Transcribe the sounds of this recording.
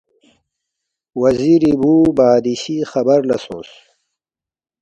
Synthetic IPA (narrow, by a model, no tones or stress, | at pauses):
wɐziɾibuːbaːd̪iɕixɐbɐɾlɐsṵ̃ːs